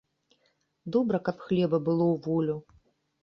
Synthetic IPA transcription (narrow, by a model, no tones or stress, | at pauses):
d̪ɔbɾɐkapxlʲɛbɐbɨlˠɔwvɔlʲu